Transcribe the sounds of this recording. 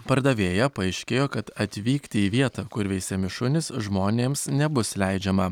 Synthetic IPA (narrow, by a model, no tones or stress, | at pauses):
pɐɾd̪ɐʋʲeːjɛpɐɛɪʃʲkʲeːjoːkɐt̪ɐt̪ʲʋʲiːkt̪ʲɪiːʋʲiɛt̪ɐkʊɾʋʲɛɪsʲɛmʲɪʃʊnʲɪsʒmoːnʲeːmsnʲɛbʊslʲɛɪd͡ʒʲɛmɐ